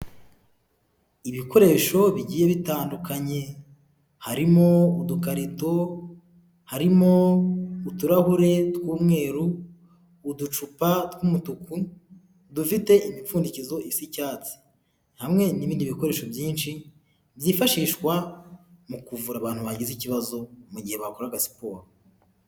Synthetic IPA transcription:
iβiko̞ɾe̞ʃo̞βiɟiːjeβitaːndukʰaɲe̞ | haɾimo̞udukaɾito̞ | haɾimo̞utuɾahuɾe̞tkuːmŋe̞ːɾuː | dut͡ʃupatkumutuku | dufite̞ʔimifuːndicizo̞ʔisicaːt͡si̥ | n̥hamŋe̞niβiːndiβiko̞ɾeːʃovjiːnʃi | βjiːfaʃiːʃkwamukuvuɾaβaːn̥huβaɟiziciβazo̞muɟihe̞βakoɾaɡasi̥poːh

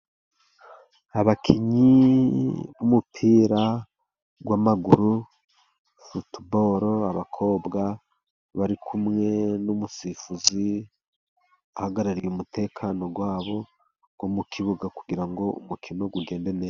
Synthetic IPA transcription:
aβakʰiɲi | βumupʰiːɾa | ɡwamaɡuɾu | futbo̞ːɾoaβakʰo̞ːbɡa | βaɾikʰumŋe̞numusifuzi | ahaɡaɾaɾijumutʰe̞ːkʰano̞ɡwaːβo̞ | ɡ̥womukʰiβuɡaku̥ɡiɾaŋɡo̞ṵmukʰino̞ɡuɡe̞ːnde̞ne̞ːa

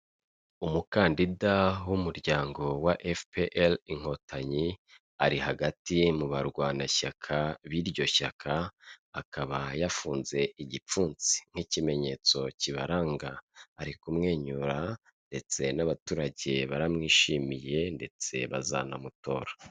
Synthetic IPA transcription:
umukaːndidawumuɾɟaːŋɡo̞waʔefpeʔeliŋ̥ho̞taɲi | a̰ɾihaɡatimuβaɾɡwaːnaçakʰaβiɾɟo̞çakʰaːkaβajafuːnze̞ʔiɟip͡fuːnt͡si̥ŋ̥hicime̞ɲe̞ːt͡so̞ciβa̰ɾaːŋɡaːɾikumŋe̞ːɲuɾa | nde̞t͡se̞naβatuːɾaɟe̞βaɾamŋiːʃiːmije̞nde̞t͡se̞̰βa̰za̰na̰muto̞̰ːɾḁ

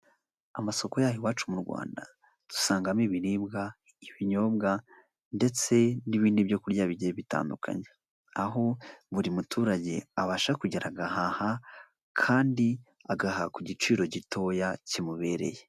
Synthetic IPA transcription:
amaso̞ko̞jaːhewaːt͡ʃumuɾɡwa̰ːnda̰ | tu̥saːŋɡamiβiɾibɡa | iβiɲo̞ːbɡa | nde̞t͡se̞niβiːndibjo̞kuɾɟaβiɟeβita̰ːndṵkʰa̰ɲe | aɦo̞βuɾimutʰuːɾaɟe̞̰aβaʃakuɟeɾʔaɡahaha | kʰaːndi | aɡaɦakuɟit͡ʃiːɾo̞ɟitʰo̞jacimuβe̞ːɾe̞̰je

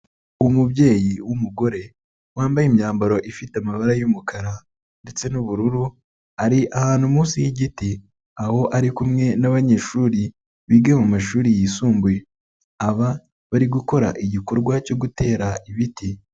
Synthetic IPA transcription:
umubɟe̞ːjiwumuɡo̞ɾe̞ | waːmbajimɲaːmbaɾo̞ʔifitamaβaɾajumukaɾa | nde̞t͡se̞nuβuɾuɾu | aɾiʔahaːnhumuːsijiɟiti | aho̞ʔaɾikumŋe̞naβaɲe̞ːʃuɾi | βiːɡemumaʃuːɾijiːsuːmbuje | aβa | βaɾiɡuko̞ɾa̰ʔiɟiko̞ɾɡwaco̞ɡute̞ːɾaʔiβiti

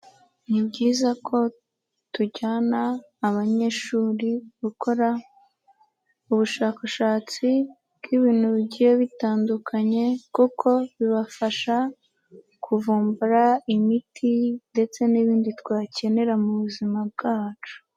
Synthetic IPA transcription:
nibɟiːzakʰo̞ | tuɟaːnaː | βaɲe̞ːʃuːɾiɡuko̞ɾa | uβuʃaːkaʃaːt͡si | bɡiβiːnhuβiɟijeβitaːndukʰaɲe̞kukʰo̞βiβafaʃa | kʰuvuːmbuɾaimitʰinde̞t͡se̞niβiːnditwaːce̞ne̞ɾamuβuzimab̚ɡaːt͡ʃu̥

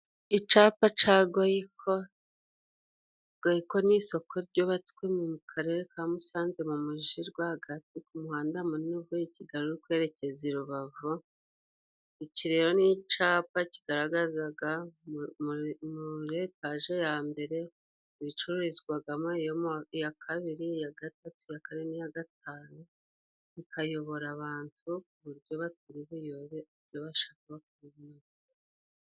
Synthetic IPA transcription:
it͡ʃaːpat͡ʃaːɡajikʰo | ɡ̥ajiko̞niso̞kʰo̞ɾɟo̞ːβat͡si̥kwe̞mumukʰaɾeɾekʰamusaːnze̞mumuʒiɾɡwahaɡatikumuhaːndamunuβuiciɡaɾoɾikwe̞ːɾe̞ce̞ziɾuβavu | iciɾe̞ɾo̞nit͡ʃaːpaci̥ɡ̥aɾaɡazaɡa | muɾetaʒe̞jaːmbe̞ɾe̞ | iβit͡ʃuɾuɾizɡwaɡamŋejojakʰaβiɾijaɡatatujakaɾenijaɡat̚aːnu | ikʰajo̞βo̞ɾaβaːntʰuuβuɾjo̞βatuɾiβujoβeuɾjo̞βaʃaːkaβatuɾiβmazi

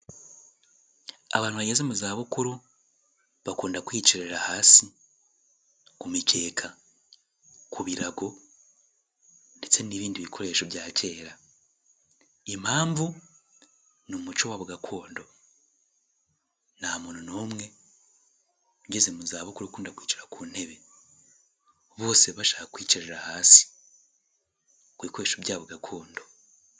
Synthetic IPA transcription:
a̰βaːnhuβaɟezemuzaːβukuɾu | βakuːndakwiːt͡ʃiɾeɾahaːsi | kumicʰe̞ːkʰa | kʰuβiɾaɡo̞ | ndet͡se̞niːβiːndiβikʰo̞ɾe̞ːʃo̞βjaːce̞ːɾa | emhaːɱvu | numut͡ʃowaβoɡakʰo̞ːndo̞ | naːmuːnunomŋe̞ | uɟezemuzaːβokuɾokuːndakwiːt͡ʃiɾakuːn̥e̞βe | βo̞ːse̞βaʃaːkakwiːt͡ʃiɾeɾahaːsi̥ | kwiːko̞ɾe̞ːʃobjaːβoɡakʰo̞ːndo̞

